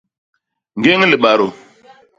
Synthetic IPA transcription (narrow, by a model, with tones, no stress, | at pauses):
ŋ˨ɡe˦ŋli˨ɓa˨ɾo˨